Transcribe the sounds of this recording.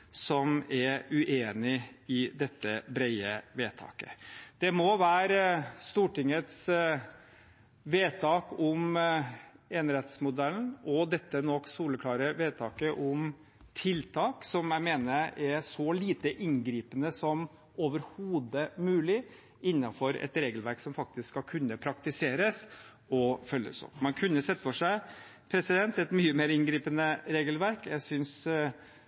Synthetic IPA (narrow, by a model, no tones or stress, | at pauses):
sɔmɛʉʔeːnɪɪd̪ɛt̪ːəbɾæɪəʋeːt̪ʰɑ̰ːkə̰d̪̥ɛmɔʋæːɾst̪uːʈɪŋət̪s | ʋeːt̪ʰɑːkʊm | ɛnɾɛt̪smʊd̪ɛln̩ɔd̪ɛt̪ːənɔkːsuːləkʰlɑːɾəʋeːt̪ʰɑːkəʔʊm | t̪ʰɪlt̪ʰɑːksɔmjæɪmeːnəɾɛsɔliːt̪əʔɪŋɡɾiːpənəsɔm | oːʋəɾhuːd̪əmʉːlɪ | ɪnːɑfɔɾɛ̰t̪ɾeːɡəlʋæɾksɔmfɑk̚t̪ɪskskːɑlkʰʉnːəpʰɾɑkt̪ɪseːɾəs | ɔfœlːə̰sɔ̰pmɑnkʰʉnːəsɛt̪ːəfɔʂæɪ | pʰɾɛsɪd̪ɛnt̪ɛt̪myːəmeːɾɪnɡɾiːpənəɾeːɡəlʋæɾkjæɪsʏns